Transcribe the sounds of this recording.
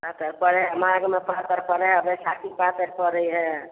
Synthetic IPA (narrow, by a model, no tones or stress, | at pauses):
pat̪əɾpəɾɛɦmaɡmepat̪əɾpəɾɛɦəbɛsakʰipat̪əɾpəɾəjɦɛ